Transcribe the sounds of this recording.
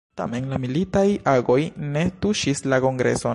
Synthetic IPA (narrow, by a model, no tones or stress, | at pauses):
ta̰menlamilitajaɡo̞jne̞tuʃislako̞ŋɡɾḛso̞